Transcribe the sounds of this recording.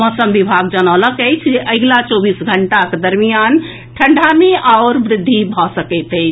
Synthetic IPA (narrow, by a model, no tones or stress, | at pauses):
mɔsəmbibʱaɡd͡ʒənələkəjt͡ʃʰd͡ʒeʔəɡlat͡ʃobisɡʱəɳʈaked̪əɾmijan | ʈʰəɳɖʱameʔaʊɾbɾɪd̪ʱːibʱɔsəkəɪt̪əɪt͡ʃʰ